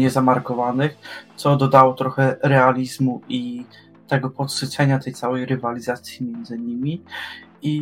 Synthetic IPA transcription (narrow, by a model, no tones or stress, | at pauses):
ɲɛzamaɾkɔvanɘxt̪sɔd̪ɔd̪awɔt̪ɾɔxɛɾɛalʲizmui | t̪ɛɡɔpɔt̪ʂɘt͡sɛɲat̪ɛjt̪sawɛjɾɘvalʲizat̪sʲjimʲjɛnd̪zɘɲimʲi | i